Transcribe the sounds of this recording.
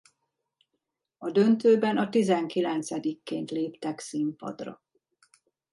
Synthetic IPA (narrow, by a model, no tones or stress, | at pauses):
ɒd̪ø̞nt̪øːbɛnɒt̪izɛŋkilɛnt̪sɛd̪ikːeːnt̪leːpt̪ɛksimpɒ̰d̪rɒ̰